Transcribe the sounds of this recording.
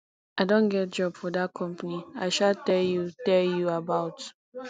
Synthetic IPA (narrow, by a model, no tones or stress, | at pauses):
aɪdõnɡɛt̚d͡ʒɔb̥fɔdat̚kʰɔ̃mpaniaɪʃaltɛljutɛljuabaʊt